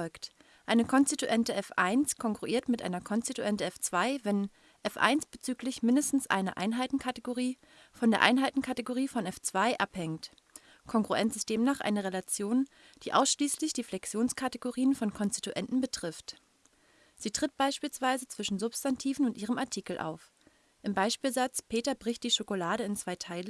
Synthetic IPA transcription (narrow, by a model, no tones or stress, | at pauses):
ɔlkt | ʔaɪnəkʰɔnstituʔɛntəʔɛfʔa̰ɪnskʰɔŋɡʁuʔiːɐtmɪtʔa̰ɪnɐkʰɔnstituʔɛntəɛft͡sv̥aɪvɛn | ʔɛfʔa̰ɪnsb̥ət͡syːklɪçmɪndəstn̩sʔa̰ɪnɐ̰ʔa̰ɪnɦaɪtn̩kʰateɡoʁiː | fɔndeːɐʔa̰ɪnɦaɪtn̩kʰateɡoʁ̞iːfɔnɛft͡sv̥aɪʔaphɛŋt | kʰɔŋɡʁuɛ̰nsɪst̚d̥eːmnaːχʔa̰ɪnəʁelat͡sjoːn | d̥iːʔa̰ʊsʃliːslɪçd̥iːflɛksjoːnskʰateɡoʁiːənfɔnkʰɔnsti̥tuʔɛntn̩bətʁ̥ɪft | z̥iːtʁ̥ɪt̚b̥aɪʃpiːlsv̥aɪzət͡sv̥ɪʃn̩zʊpstantʰiːvn̩ʊntʔiːʁ̞əmaɐtʰiːkl̩ʔa̰ʊf | ʔɪmbaɪʃpiːlzat͡spʰeːtɐbʁɪçt̚d̥iːʃokolaːɾəɪnt͡sv̥aɪtʰaɪlə